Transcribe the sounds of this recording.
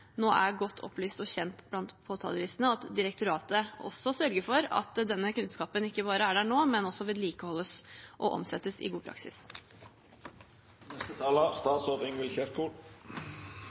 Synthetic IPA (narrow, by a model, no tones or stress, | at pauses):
noːʔæɡɔt̪ːʰɔ̰plyːst̪ɔçɛnt̪blɑnt̪pʰoːt̪ʰɑ̰ːləʋɪːsənəɑt̪d̪ɪɾəkt̪ʰʊɾɑːt̪əɔ̰sːɔsœɾɡəfɔɾɑ̰t̪d̪ɛnːəkʉnskɑːpənɪkːəbɑːɾəæɖæːɳoːmɛnɔsːɔʋɪlːiːkəhɔlːəsʔɔ̰ʔɔ̰msɛt̪ːəsɪ̰ɡuːpʰɾɑ̰ksɪ̰s | nɛst̪ət̪ʰɑːlɑst̪ɑːt̪soːʁɪŋʋɪlçɛɾkuːl